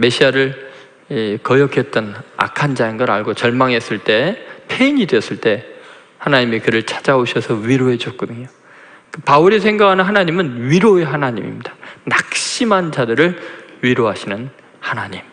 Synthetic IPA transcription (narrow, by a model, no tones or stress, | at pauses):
me̞ɕʰiaɾɯɭ | ikʌjʌkʰjʌt̚t͈ʌna̰kʰand͡ʑainɡʌɾa̰ɭɡot͡ɕʌɭmaŋɦe̞s͈ɯɭt͈e̞pʰeiɲidweʌs͈ɯɭt͈e̞ | hanaɲimekɯɾɯɭt͡ɕʰḁd͡ʑaoɕʰʌsʰʌɥiɾoe̞d͡ʑok̚k͈odɯɲo | kɯpauɾisʰe̞ŋɡakʰanɯnɦanaɲimɯnɥiɾoeɦanaɲimḭmɲid̥ḁnak̚ɕ͈imɦand͡ʑadɯɾɯɭɥiɾoɦaɕʰinɯn | hanaɲim